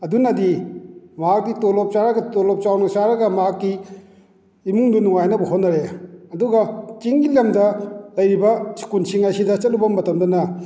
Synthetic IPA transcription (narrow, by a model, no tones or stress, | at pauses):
ɐdunɐdimaak̚ditolop̚t͡ʃaɾaɡɐtolop̚t͡ʃawnat͡ʃaɾɐɡɐmakːi | muŋdunuŋajnɐbuɦotnːɐɾeɐduɡɐt͡ʃiŋɡilamdɐlɐjɾibɐsi̥kunsiŋajsidɐt͡ʃɐt̚lubɐmːɐtɐmdɐnɐ